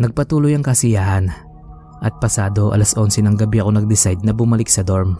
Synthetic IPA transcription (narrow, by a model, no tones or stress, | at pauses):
nɐɡ̚pɐt̪uːlojɐŋkɐsɪjaːhɐn | ʔɐt̪̚pɐsaːd̪o̞ʔɐ̰lɐsʔo̞nsɛnɐŋɡɐbiɐko̞nɐɡ̚d̪ɪsajd̪̚nɐbʊmɐlɪk̚sɐd̪oɹm